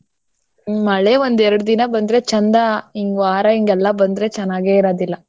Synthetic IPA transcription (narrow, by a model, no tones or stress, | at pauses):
mɐɭeʋond̪ɛɾɐɽud̪inɐbɐnd̪ɾe̞t͡ʃɐnd̪ɐiŋɡaːɾɐiŋɡɛlːɐbɐnd̪ɾe̞t͡ʃɐnːaːɡeːiɾaːd̪ilːɐ